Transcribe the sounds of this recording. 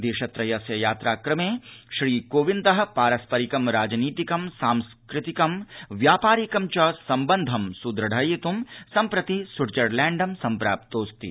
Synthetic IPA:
d̪eːʃɐt̪ɾɐjɐsjɐjaːt̪ɾaːkɾɐmeːʃɾiːkoːʋind̪ɐɦɐ̆paːɾɐspɐɾikɐmɾaːd͡ʒniːt̪ikɐmsaːmskɾɪt̪ikɐmʋjaːpaːɾikɐmt͡ʃɐsɐmbɐnd̪ʱɐmsud̪ɾɐɖʱɐjit̪umsɐmpɾɐt̪isuɾd͡ʒɐɾlɛːɳɖɐmsɐmpɾa̰ːp̚t̪oːst̪ḭ

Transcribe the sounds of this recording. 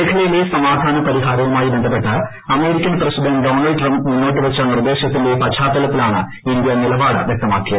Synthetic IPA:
eːkʰɐlɐjile̞sɐmaːd̪ʱaːnɐpɐɾiɦaːɾɐɣɐmaːjibend̪ʱɐp̬ːe̞ʈːɐ | ɐme̞ːɾikʲːɐnprɐsidɐnɖo̞ːnɐlɖʈrɐmbmunːoːʈːɨʋet͡ɕːɐnird̪e̞ːɕɐt̪ːinde̞pɐt͡ɕʰaːt̪ːɐlɐt̪ːilaːɳɨ | ind̪jɐnilɐbaːɽɨ̰ʋjek̚t̪ɐmaːkːijɐ

